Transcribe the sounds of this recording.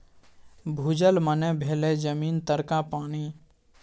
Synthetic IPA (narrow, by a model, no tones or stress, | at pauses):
bʱuːd͡ʒəlmənẽbʱeːled͡ʒəmiːnt̪əɾkapaːniː